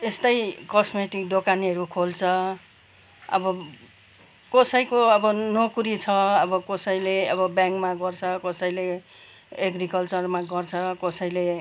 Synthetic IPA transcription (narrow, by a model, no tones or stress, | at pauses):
est̪ʌjkʌsmeʈik̚d̪okaniʌɾukʰolt͡sʰʌ | ʌ̰bʌ | kʌsʌjkoʌbʌnokuɾit͡sʰʌʌbʌkʌsʌjleʌβʌbjaŋkmaɡʌrt͡sʰʌkʌsʌjle | eɡrikʌlt͡sʌrmaɡʌrt͡sʰʌkʌsʌjle